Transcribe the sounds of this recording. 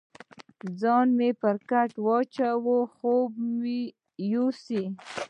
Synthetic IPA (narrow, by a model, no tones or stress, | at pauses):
d͡zɑnmepəɾkaʈwɑt͡ʃawoxobmi | jusi